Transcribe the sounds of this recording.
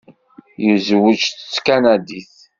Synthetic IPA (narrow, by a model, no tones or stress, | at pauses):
jəzwət͡ʃθt͡sːkænæd̪iθ